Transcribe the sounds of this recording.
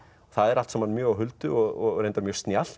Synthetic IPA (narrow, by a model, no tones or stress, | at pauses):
ɔθaðɛɾal̥t̪sɛmhanːmjœːɣawɦʏlt̪ʏɔɣɔ̰ɣɾẽjnt̪aɾmjœɾst̪njal̥